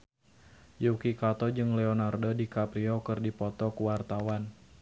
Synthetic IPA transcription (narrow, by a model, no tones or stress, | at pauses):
jukikat̪ɔd͡ʒɨŋlɛɔnardodikapɾiɔkɨrdipɔt̪ɔkuwart̪awan